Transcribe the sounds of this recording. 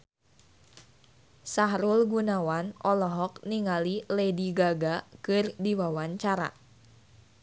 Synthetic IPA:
saɦɾulɡunawanɔlɔɦɔkniŋalilediɡaɡakɨrdiwawaɲt͡ʃaɾa̰

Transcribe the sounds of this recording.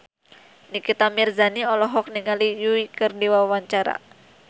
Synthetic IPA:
nikit̪amirzaniɔlɔɦɔk̚niŋalijuikɨrdiwawaɲt͡ʃaɾa̰

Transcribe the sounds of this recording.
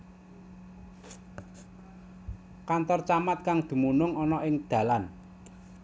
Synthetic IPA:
kant̪ɔrt͡ʃamat̪̚kaŋd̪̥i̤munʊŋɔnɔʔɪŋd̪̥ä̤lan

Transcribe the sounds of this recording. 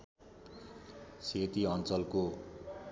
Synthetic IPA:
set̪iʌnt͡sʌlko

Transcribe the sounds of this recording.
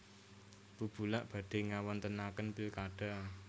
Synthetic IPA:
b̥ub̥ulaʔb̥ä̤ɖ̥e̤ŋawant̪ənakənpilkaɖ̥a̤

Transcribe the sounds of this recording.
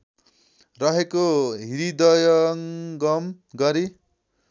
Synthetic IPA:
rʌɦekoɦiɾid̪ʌjʌŋɡʌm | ɡʌɾi

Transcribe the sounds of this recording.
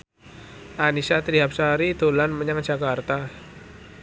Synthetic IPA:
ʔanisat̪ɾiɦap̚saɾid̪̥o̤lanməɲaŋ̥ʒ̥a̤kart̪a

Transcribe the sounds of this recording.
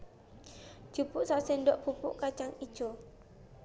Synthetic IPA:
d͡ʒ̥upuʔsasendɔʔpupuʔkat͡ʃaŋid͡ʒo

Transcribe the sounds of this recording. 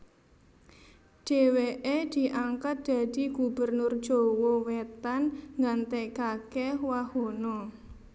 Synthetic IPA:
ɖ̥eweʔed̪̥i̤ʔaŋkat̪̚d̪̥a̤d̪̥i̤ɡ̥ubərnʊrd̥ʒ̥owɔwet̪anŋant̪ekakewahonɔ

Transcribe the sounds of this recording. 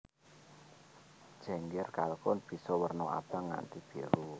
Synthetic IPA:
d̥ʒ̥ɛ̤ŋɡɛrkalkʊnb̥i̤sɔwərnɔa̰b̥aŋːa̰nt̪ib̥i̤ɾu

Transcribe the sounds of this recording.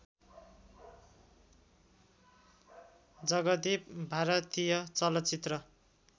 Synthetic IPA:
d͡zʌɡʌd̪ipbʱaɾʌt̪ijʌt͡sʌlʌt͡sit̪rʌ

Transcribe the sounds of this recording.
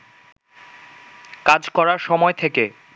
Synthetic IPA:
kad͡ʑkɔɾaɾʃɔmɔet̪ʰeke

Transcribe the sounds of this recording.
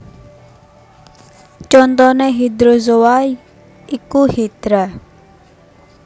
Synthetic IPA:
t͡ʃɔnt̪ɔneɦid̪ɾozowai | ikuhid̪̥ɾa

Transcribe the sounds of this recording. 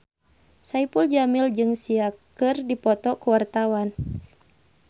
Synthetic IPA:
saipuld͡ʒamild͡ʒɨŋsiakɨrdipɔt̪ɔkuwart̪awan

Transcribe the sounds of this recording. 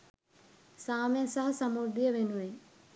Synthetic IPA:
saːmejsɐɦɐsɐmoɾd̪ijəʋenuʋe

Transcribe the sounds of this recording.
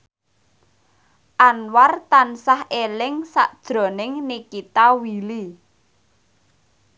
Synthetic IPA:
ʔanwart̪ansahelɪŋsa̰ʔd̥ʒ̥ɾɔ̤nɪŋnikit̪awili

